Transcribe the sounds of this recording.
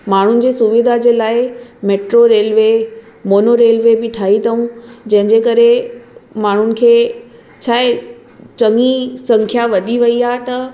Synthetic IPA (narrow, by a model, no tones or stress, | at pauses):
maːɳ̤ʊnɪ̆d͡ʑeːsʊʋɪd̪ʱad͡ʑeːlaːɪmeːʈɾoɾeːlʋe | moːnoɾeːlʋebɪʈʰaːɦit̪ʰɐũd͡ʑɐ̃ɦɪ̃ɲd͡ʑeːkɐɾemaːɳ̤ʊnɪ̆kʰeː | t͡ɕʰaːe | t͡ɕɐŋisɐ̃ŋkʰjaʋɐd̪ʱiʋɐiaːɦt̪ɐ